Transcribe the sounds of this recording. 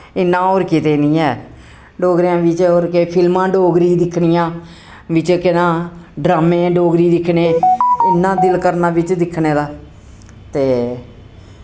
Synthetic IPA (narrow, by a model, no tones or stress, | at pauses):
ɪnːãːoːɾkɪt̪eːnĩːɛː | ɖoːɡɾijãːʋɪt͡ʃoːɾkeːpʰɪlmãːɖoːɡɾiːd̪ɪkʰɳɪjãː | ʋɪt͡ʃkɪnãːɖɾaːmẽːɖoːɡɾiːd̪ɪkʰneːɪnːãːd̪ɪlkəɾnaːʋɪt͡ʃd̪ɪkʰneːd̪aː | t̪eː